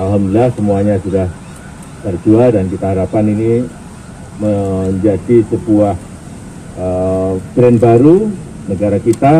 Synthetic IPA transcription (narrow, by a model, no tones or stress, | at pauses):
alɦamdəlahsəmuaɲasudah | t̪ərd͡ʒuadankit̪aɦaɾapanini | məɲd͡ʒad͡ʒisəbuah | əbɾɛnbaɾu | nəɡaɾakit̪a